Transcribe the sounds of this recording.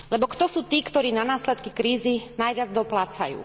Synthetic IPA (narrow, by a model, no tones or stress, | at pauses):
lɛbɔkt̪ɔsuːt̪iːkt̪ɔɾiːnanaːslɛt̪kikɾiːzinajʋɪad͡zd̪ɔplat͡sa̰jṵː